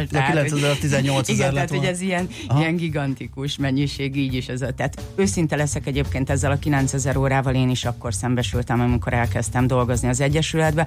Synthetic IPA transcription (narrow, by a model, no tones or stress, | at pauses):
d̪ɛkilɛnsɛzɛɾt̪izɛɲːolt̪siɡɛnɛːt̪hoɟɛzijɛn | ijɛŋɡiɡɒnt̪ikuʃmɛɲːiʃeːɡiːɟiʃɛzɒt̪ɛːt̪øːsint̪ɛlɛsɛkɛɟeːp̚keːnt̪ɛzːɛlɒkilɛnt̪sɛzɛɾoːɾaːvɒleːniʃɒkːo̞rsɛmbɛʃylt̪ɛmɒmiko̞ɾɛlkɛst̪ɛmd̪o̞lɡo̞zniɒzɛɟːɛʃylɛd̪bɛ